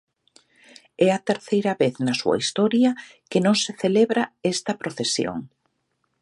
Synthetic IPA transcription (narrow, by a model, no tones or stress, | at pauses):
ɛɐt̪eɾθejɾɐβeθnɐsuɐ̰ist̪ɔɾjɐ | kenõŋseθeleβɾɐɛst̪ɐpɾoθesjo̰ŋ